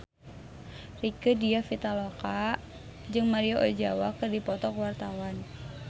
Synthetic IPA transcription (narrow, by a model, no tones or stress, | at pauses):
rikədiafit̪aloka | d͡ʒɨŋmaɾioʔo̰d͡ʒawakɨrdipɔt̪ɔkwart̪awan